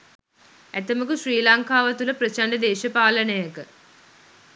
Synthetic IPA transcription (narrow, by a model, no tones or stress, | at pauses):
æt̪əmukuʃriːlaŋkaːʋɐt̪uləpɾɐt͡ʃaɳɖəd̪eːʃɐpaːlɐnəjəkə